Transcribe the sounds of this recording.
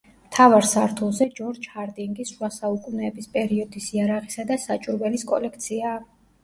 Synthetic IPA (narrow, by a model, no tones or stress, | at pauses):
mt̪ʰavaɾsaɾt̪ʰulˠzɛd͡ʒɔɾd͡ʒhaɾd̪ʼiŋɡisʃwasaukʼunɛːbispʼɛɾiɔd̪isiaɾaʁisad̪asat͡ʃʼuɾvɛliskʼɔ̰lɛk̚ʰt̪sʰia